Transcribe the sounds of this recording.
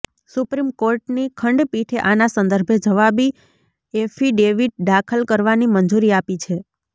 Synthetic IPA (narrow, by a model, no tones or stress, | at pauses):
supɾimkoɾʈnikʰəɳɖpiʈʰeʔanasə̃nd̪əɾbʱed͡ʒəʋabi | efʰiɖeʋiʈ̚ɖakʰəlkəɾʋanimənd͡ʒuɾiapit͡ʃʰe